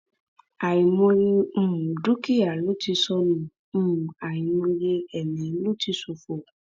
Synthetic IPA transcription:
a˨ĩ˨mõ˧je˧m̩̃˨du˦ki˦a˨lo˦ti˧sɔ˧nũ˨˦˨ | a˨ĩ˨mõ˧je˧ɛ˨nĩ˨˦lo˦ti˧˦so˨˧fo˨

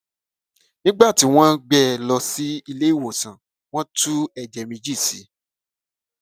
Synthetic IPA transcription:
nĩ˦ɡ͡ba˦˨ti˨˦w̃ɔ̃˦ɡ͡bɛ˦lɔ˧si˦i˧le˦i˦˨wo˨sã˨ | w̃ɔ̃˦tu˦ɛ˦˨d͡ʒɛ˨mĩ˧d͡ʒi˦˨sḭ˨˦

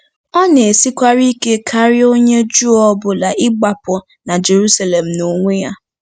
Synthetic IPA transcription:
ɔ˦ne˨e˨si˦kʷa˦ɾi˦ke˦kʰa˦ɾɪ˦o˦ɲe˦d͡ʒu˦ɔ˦bʊ˦la˨ʔɪ˦ɡ͡ba˨pʊ˨ | na˨d͡ʒe˨ɾu˦sa˨le˨m̩˨no˨ŋʷe˦ja˦

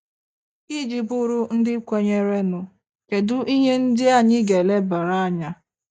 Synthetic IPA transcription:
i˦d͡ʒi˨bʊ˦ɾʊ˦n̩˦dɪ˦kʷe˦ɲe˦ɾe˦nʊ˨ | ke˨dʊ˦ʔi˦ɦe˦n̩˦dɪ˦a˦˨ɲɪ˦ɡe˨le˦ba˨ɾa˦a˦ɲa˦

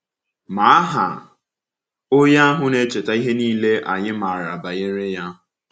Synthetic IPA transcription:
ma˨a˦ɦa̰˨ | ʊ˦ja˦a˦ɦʊ˦ne˨t͡ʃe˨ta˨˦i˦ɦe˦niː˦le˦ʔa̰˨ɲɪ˦ma˨a˨ɾa̰˨ba˨jɪ˦ɾɪ˦ja˦ɦʊ˨

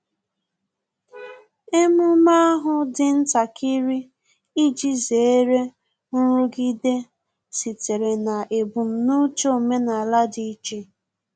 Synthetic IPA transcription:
e˦mʊ˦ma˦a˦ɦʊ˦dɪ˨n̩˦ta˨kʰi˦ɾi˦ | i˦d͡ʒi˦ze˨e˦ɾe˦ | n̩˦ɾʊ˦ɡi˦de˦ | si˨te˨ɾe˨na˨ʔe˨bu˨m̩˨nu˦t͡ʃo˦˨me˦na˨la˦di˦i˦t͡ʃe˦

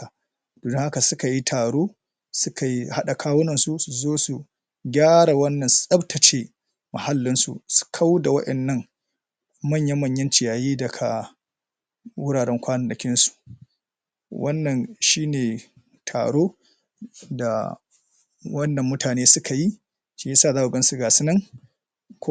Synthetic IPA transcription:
a˨ | d̥oː˨dʊ˦ŋha˦ka˨sʊ˦ka˨ji˦tʰaː˨ɽoː˦ | sʊ˦kʰa˨ji˦ha˦ɗa˨kʰaː˦wʊ˦nɐ˨nsu˦˨su˨zoː˦su˨ | ɡʲaː˦ɽa˨wɐ˦nːɐ˨nsu̥˨sɐ˦btʰɐ˨t͡ʃe˦ | mɐ˨ha˦lːɪ˦nsṵ˨su̥˨kʰa˦wda˨wɐ˦ɗɐ˨nːɐ˦ŋ | mɐ˦ɲjɐ˦mɐ˦˨ɲjɐ˦nt͡ʃɪ˨jaː˨jiː˦dɐ˨kʰa˨ | wʊ˦ɽaː˨ɽɛ˦ŋkʷaː˦nɐ˨nɐ˨kʲɪ˦nsu̥˨ | wɐ˦nːɐ˨nʃiː˦neː˨ | tʰa̰ː˨ɽoː˦ | da̰˨ | wɐ˦nːɐ˨mːʊ˦tʰaː˨neː˦sʊ˦kʰa˨ji˦ | ʃi˦je˦saː˦˨aː˦ʔu˨ɡɐ˦nsu˨ɡaː˨sɪ˦nɐ˦ŋ | k

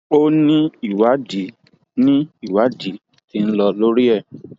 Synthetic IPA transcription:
o˦nĩ˦i˦˨wa˨˦di˨˦ | nĩ˦i˦˨wa˨˦di˨˦ | ti˦n̩˦lɔ˧lo˦ɾi˦ɛ˦˨

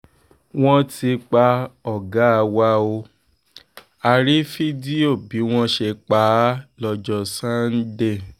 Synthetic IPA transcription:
w̃ɔ̃˦ti˧k͡pa˧ɔ˦˨ɡa˨˦a˧wa˧o˧ | a˧ɾi˦fi˦di˦o˦˨bi˨˦w̃ɔ̃˦ʃe˧k͡pa˨˦lɔ˧d͡ʒɔ˧˨sã˦n̩˦de˦˨

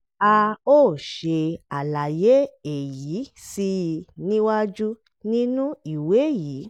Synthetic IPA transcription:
a˧oː˦˨ʃʃe˧a˨la˨je˦e˨ji˨˦si˧nĩ˦wa˦d͡ʒu˦ | nĩ˦nũ˦i˨we˨˦˨ji˨˦

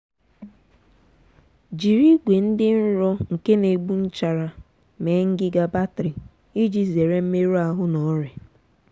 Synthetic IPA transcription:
d͡ʒi˨ɾi˦ɡʷe˨n̩˦dɪ˦n̩˦ɾɔ˦ŋ̩˨ke˦ne˨ɡ͡bu˦n̩˦t͡ʃa˨ɾa˨ | me˨˦ŋ̩˦ɡɪ˦ɡa˦ba˦tɾi˨ | i˦d͡ʒi˦ze˨ɾe˦m̩˦me˦ɾu˦a˨ɦʊ˦nɔ˨˦ɾe˨

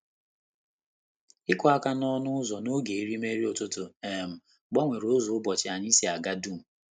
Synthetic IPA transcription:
ɪ˦kʷɔ˦a˦ka˦nɔ˦nʊ˦ʊ˦zɔ˨no˦ɡe˨i˦ɾi˦me˦ɾi˦o˨tʊ˦tʊ˨e˨m̩˨ | ɡ͡bɔ˦ŋʷe˨ɾo˨˦zo˨ʊ˦bɔ˨t͡ʃɪ˨a˨ɲɪ˦si˦a˨ɡa˦du˦˨m̩˨

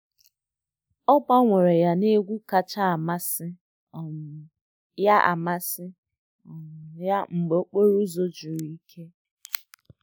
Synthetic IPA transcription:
ɔ˦k͡pa˦ŋʷe˨ɾe˨ja˦ne˦ɡʷu˦ka˨t͡ʃa˦a˨ma˦sɪ˦˨ | ja˦ʔa̰˨ma˦sɪ˦˨ | ja˦ŋ͡m̩˨ɡ͡be˨o˦k͡po˦ɾu˦zo˦d͡ʒʊ˨ɾi˦i˦kʰe˦

